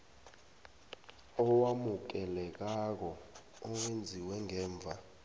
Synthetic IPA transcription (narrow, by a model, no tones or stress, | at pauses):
ɔwamuk̬ɛlɛk̬ak̬ɔː | wend͡zʱiwɛŋɛːɱb̪vʱa̰